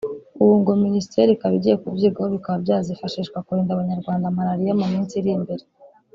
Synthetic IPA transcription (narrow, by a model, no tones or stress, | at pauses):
uβuːŋɡominisi̥tʰeɾikaβiɟije̞kubɟiːɡaho̞βikaβabjaːzifaʃiʃkwakuheːndaβaɲaɾɡwaːndamaɾaɾijamumiːnsiɾimbe̞ɾe